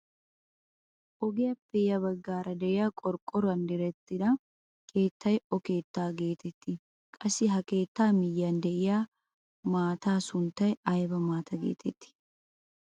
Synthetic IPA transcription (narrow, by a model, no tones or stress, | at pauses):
ʔɔɡɪjɐpːɛjɐbɐɡːaːɾɐd̪ɛʔɪjaːkʼɔɾkʼːɔɾɐnd̪ɪɾɛt̪ːɪd̪ɐ | kʰe̞ːt̪ːɐjɔke̞ːt̪ːaːɡe̞ːt̪ɛt̪ːɪ | kʼɐsːɪɦɐke̞ːt̪ːaːmɪjːand̪ɛʔɪjaː | maːt̪aːsʊnt̪ɐjɐjbɐmaːt̪ɐɡḛːt̪ʰɛt̪ːɪ̥